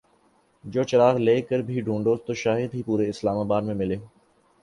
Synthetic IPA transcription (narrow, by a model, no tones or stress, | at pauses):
d͡ʒoːt͡ʃɐɾaːɣleːkəɾbʱiɖʱũːɳɖoːzt̪oːʃaːɦɪd̪ɦipuːɾeɪslaːmaːbaːd̪mẽmɪleː